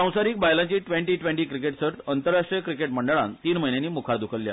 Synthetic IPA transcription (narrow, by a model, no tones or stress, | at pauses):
ãw̃saɾiːk̚bajlaɲt͡ɕiːʈʋẽɳʈiːʈʋẽɳʈiːkɾikeʈsəɾt̪ənt̪əɾːaʂʈɾijəkɾikeʈməɳɖəɭãnt̪iːnməɦinjaniːmukʰaɾd̪ukʰəlja̰